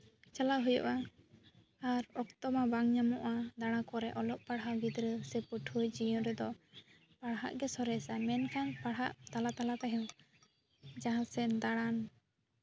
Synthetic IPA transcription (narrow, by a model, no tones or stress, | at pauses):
t͡ʃalaɦujɔ̰ʔa | aɾɔkt̪ɔmabaŋɲamɔʔad̪aɽ̃ãkɔɾɛʔɔlɔʔpaɽɦaɡid̪ɾəsɛpuʈʰujd͡ʒijɔ̃ɾɛd̪ɔ | paɽɦa̰ʔɡɛsɔɾɛsamɛnkʰanpaɽɦaʔt̪alat̪alat̪aɦɔ̃w | d͡ʒaɦãsɛd̪aɽ̃an